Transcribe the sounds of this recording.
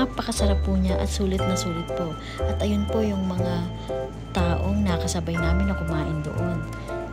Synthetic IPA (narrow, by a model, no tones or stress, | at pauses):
apɐkɐsɐɾapːuːɲaʔɐ̰t̪suːlɪt̪̚mɐsuːlɪt̪̚po̞ʔ | ʔɐt̪ʔɐjonpo̞jʊŋmɐŋa | t̪aːʔoŋnɐkɐsɐbajnaːmɪnɐkʊmaːʔɪnd̪o̰ʔon